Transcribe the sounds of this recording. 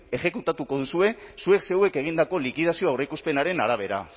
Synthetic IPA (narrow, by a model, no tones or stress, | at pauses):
e̞xe̞kut̪at̪uko̞ðusue̞sue̞kse̞we̞ke̞ɣ̞ind̪ako̞likið̞asio̞awɾekuspe̞naɾe̞naɾaβ̞e̞ɾa̰